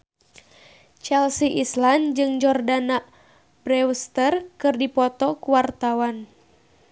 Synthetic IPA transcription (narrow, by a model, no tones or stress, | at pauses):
t͡ʃɛlsiʔisland͡ʒɨŋd͡ʒɔrdanaʔ | bɾɛwst̪ərkɨrdipɔt̪ɔkuwart̪awan